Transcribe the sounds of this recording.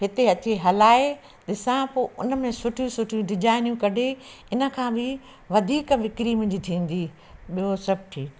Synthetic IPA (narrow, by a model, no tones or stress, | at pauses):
ɦɪt̪eɐt͡ɕeɦɐlaːe | ɗ̪ɪsãpoːʔʊnə̆mẽsʊʈʰijũsʊʈʰijũɖɪd͡ʒaːɪnijũkɐɖʱeɪnə̆kʰãːbʱɪ | ʋɐd̪ʱiːkʋɪkɾimʊ̃d͡ʑit̪ʰĩːn̆d̪i | ɓijosɐb̚ʱʈʰiːk